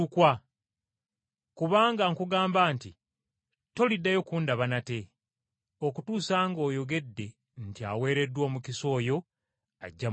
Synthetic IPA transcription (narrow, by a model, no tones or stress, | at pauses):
ukwa | kuβaːŋɡaŋkuɡaːmbaːnti | to̞lidːajo̞kuːndaβanate̞ | o̞kutuːsaːŋɡo̞ːjo̞ɡe̞dːe̞ | ntia̰we̞ːɾe̞dːwoːmukiso̞ːjo̞ | a̰ɟːa